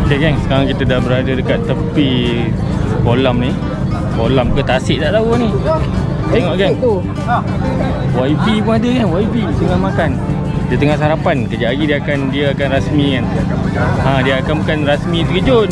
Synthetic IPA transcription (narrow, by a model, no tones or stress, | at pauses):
ɡaɡaŋsə̥kaɾaŋkit̪ədahbəɾadədəkat̪ːəpi | kolamni | kolamukət̪asɪʔt̪aʔt̪auni | t̪eŋɔʔɡanu | waibipuŋadəkanwaibisəŋahmakan | dit̪əŋahsaɾapankəd͡ʒaʔaɡidiəakandiəakanrasmĩkan | ãdiəakanmkanrasmĩt̪əkəd͡ʒʊt̪̚